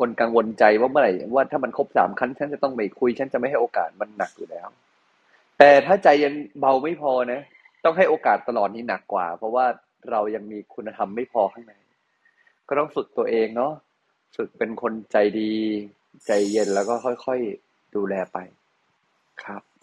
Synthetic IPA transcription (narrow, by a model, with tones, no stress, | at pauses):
kʰo˧nka˧ŋwo˧nt͡ɕa˧jwaː˥˩mɯ˥˩˨ɾa˧˦jwaː˥˩t̪ʰaː˥˩ma˧nkʰo˦˥p̚sa̰ː˩˦mkʰa˦˥nt͡ɕʰa˦˥nt͡ɕa˨˩t̪ɔ˥˩ŋma˧˩jkʰu˧jt͡ɕʰa˦˥nt͡ɕa˨˩ma˥˩jɦa˥˩ʔoː˧ka̰ː˨˩t̪̚ma˧nːa˨˩k̚juː˨˩lɛː˦˥w | t̪ɛː˨˩t̪ʰaː˥˩t͡ɕa˧jːe˧nba˧wma˥˩jpʰɔː˧na˦˥ | t̪ɔ˥˩ŋɦa˥˩jʔoː˧kaː˨˩t̪ːa˧lɔː˨˩t̪̚niː˦˥na˨˩kːwa̰ː˨˩pʰɾɔ˦˥waː˥˩ | ɾa˧wja˧ŋmiː˧kʰu˧nːa˧t̪ʰa˧mːa˥˩jpʰɔː˧kʰa˥˩ŋna˨˩˦j | kɔː˥˩t̪ɔ˥˩ŋfɯ˨˩k̚t̪u˧ɐʔeː˧ŋnɔ˦˥ | fɯ˨˩k̚pe˧nkʰo˧nt͡ɕa˧jdiː˧ | t͡ɕa˧jːe˧nlɛː˦˥wkɔː˥˩kʰɔ˥˩jxʰɔ˥˩j | duː˧lɛː˧pa˧j | kʰa˦˥p̚